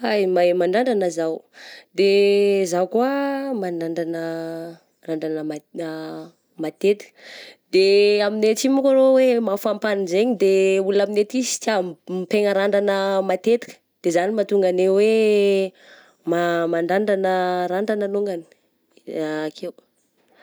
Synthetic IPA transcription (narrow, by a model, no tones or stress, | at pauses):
ajmamaɳɖ͡ʐaɳɖ͡ʐanəzawd̪ezawkuamadaɳɖ͡ʐanə | raɳɖ͡ʐanəma | mat̪et̪i̥kd̪̥eaminet͡simukaɾowemafampanizeɲid̪eulaminet̪isi̥tampeŋəɾaɳɖ͡ʐanəmat̪et̪i̥kə̥d̪̥ezanimat̪uŋɡanewe | mamaɳɖ͡ʐaɳɖ͡ʐanəɾaɳɖ͡ʐanənuŋɡani̥ | akʰew